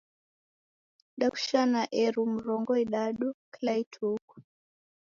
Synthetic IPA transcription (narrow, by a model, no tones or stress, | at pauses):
ɗaku̥ʃanaʔɛɾum̩ɾɔŋɡɔiɗaɗuklaitʰuku̥